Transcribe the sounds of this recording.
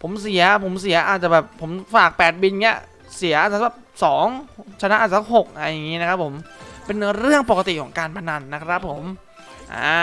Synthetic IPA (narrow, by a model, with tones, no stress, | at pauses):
pʰo˨˩˦msi˩˦ɐpʰo˩˦msi˨˩˦ɐʔaː˨˩t̪̚t͡ɕa˨˩bɛː˨˩pʰːo˩˦mfaː˨˩k̚pɛː˨˩t̪̚bi˧nŋi˦˥ɐ | si˩˦ɐʔaː˧˨˩t͡ɕa˧˩˥bɛː˨˩p̚sɔː˩˦ŋt͡ɕʰa˧na˦˥ʔaː˨˩sʰa˥ɦo˨˩k̚ʔa˧ja˨˩ŋːiː˦˥na˦˥kʰa˦˥pʰːo˩˦mpe˧n˧ɾɯ˥˩əŋpo˨˩ka˧t̪i˨˩kʰɔː˩˦ŋkaː˧npʰa˧na˧nːa˦˥kʰɾa˦˥pʰːo˩˦m | ʔa̰ː˧˩